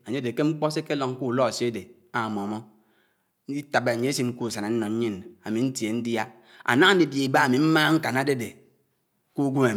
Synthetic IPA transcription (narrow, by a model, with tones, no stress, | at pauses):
a˨ɲe˦de˨ke˦ŋ͡m̩˦k͡pɔ˦se˦ke˦lo˨ŋ˦ku˦˨lɔ˦a˨se˦de˨ | a˨mɔ˨mɔ˦ | i˦ta˨be˨a˨ɲe˦si˦ŋ̩˦ku˦˨sa˨na˨n̩˦nɔ˨n̩˦ɲi˦na˨mi˨n̩˦tje˨n̩˦dja˦ | a̰˨na˦ŋ˦n̩˦di˦˨de˨i˨ba˦a˨mi˨m̩˦maː˦ŋ̩˦ka˨na˦de˦de˨ | ku˦ɡʷu˦me˨